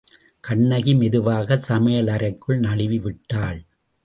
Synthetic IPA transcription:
kɐɳːɐɣimɛðɯʋaːɣɐsɐmɐjɐlɐɾɐɪkːɯɭnɐɭɪʋiʋɪʈːaːɭ

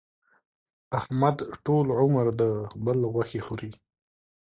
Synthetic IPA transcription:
ahmad̪ʈolʕʊmaɾd̪əbəlɣwaxexoɾi

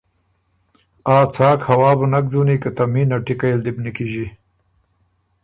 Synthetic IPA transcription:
aːt͡sʰaːkhɐwɑːbənak̚zunikat̪aminaʈikajld̪ibnikiʒi

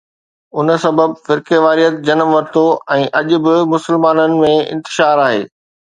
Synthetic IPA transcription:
ʊn̆sɐbəbfɪɾkeʋaːɾijət̪̚d͡ʑɐnəmʋɐɾɪt̪oɛ̃ːʔɐʄʊ̆bɪmʊsɪlmaːnənɪ̆mẽɪ̰̃nt̪ɪʃaːɾaːɦḛː

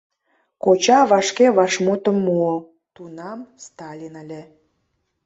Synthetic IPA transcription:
kot͡ɕɑβɑʃkeβɑʃmot̪əmːuo | t̪unɑmst̪ɑlʲinəlʲe

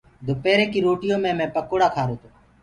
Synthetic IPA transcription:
d̪ʱʊpeːɾeːkiːɾoːʈɪjõːmẽːmɛ̃ːpəkoːɽaːkʰaːɾoːt̪oː

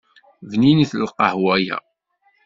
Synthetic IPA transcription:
vniniθlqɑhwæjæ̰

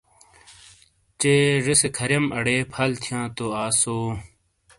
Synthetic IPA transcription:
t͡ɕeːʐisekʰɐɾjɐmɐɽeːpʰɐlt̪ʰjãːt̪oaːsoː

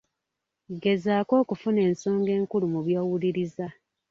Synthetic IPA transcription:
ɡe̞zaːko̞ːkufune̞ːnso̞ːŋɡe̞ːŋkulumuβjowuliɾiza

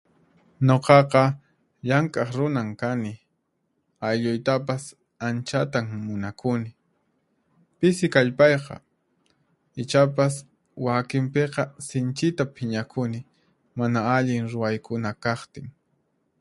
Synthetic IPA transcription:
ɲoqɑqɑ | ʎaŋkʼɑχɾʊnaŋkanɪ | ajʎʊjt̪ap̬as | ant͡ʃat̪aŋmʊnakʊnɪ | pɪsɪkaʎpɑjqɑ̰ | ɪt͡ʃap̬as | wakɪmpeqɑsɪnt͡ʃɪt̪apʰɪɲakʰʊnɪ | manaaʎɪŋɾʊwajkʊnakɑχt̪ɪŋ

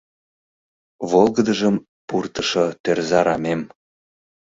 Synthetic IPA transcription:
βolɣəd̪əʒəm | purt̪əʃot̪ørzɑɾɑmem

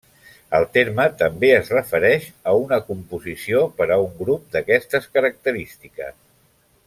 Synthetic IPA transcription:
əlˠt̪eɾmət̪əmbeəzrəfəɾɛʃəunəkumpuzisiopəɾəuŋɡɾup̚d̪əkɛst̪əskəɾək̚t̪əɾist̪ikə̰s

